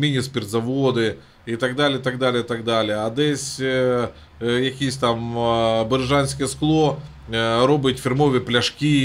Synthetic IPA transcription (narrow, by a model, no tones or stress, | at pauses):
mʲinʲɪspʲɪrt̪zɐvod̪ɨ | it̪ɐɡd̪alʲɪjt̪ɐɡ̚d̪alʲɪjət̪ɐɡd̪alʲɪjəɐd̪ɛsʲ | jɐkʲijs̬ʲt̪ambɨɾʐanʲsʲkʲɪjəsklˠo | ɾobɨtʲfʲɪrmovʲɪplʲɐʂkʲi